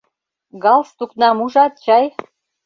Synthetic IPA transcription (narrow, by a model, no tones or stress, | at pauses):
ɡɑlst̪uknɑmuʒɑt̪̚t͡ɕɑj